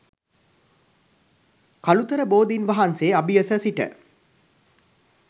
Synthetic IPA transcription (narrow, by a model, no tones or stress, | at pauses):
kalut̪əɾəboːd̪inʋɐɦanseːɐbijəsəsiʈə̰